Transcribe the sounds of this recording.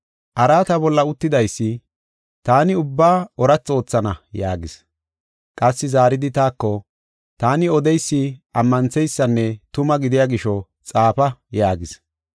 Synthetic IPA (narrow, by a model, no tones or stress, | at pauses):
ʔɐɾaːt̪ɐbɔlːɐʊt̪ːɪd̪ɐjsːɪ | t̪aːnɪʊbːaːɔɾɐt͡sːo̞ːt͡sːɐnɐjaːɡɪs | kʼɐsːɪzaːɾɪd̪ɪt̪aːkːɔ | t̪aːnɪɔd̪ɛjsːɪʔɐmːɐnt͡sːɛjsːɐnːɛt̪ʊmɐɡɪd̪ɪjaːɡɪʃɔ | t͡sʼaːpɐjaːɡɪs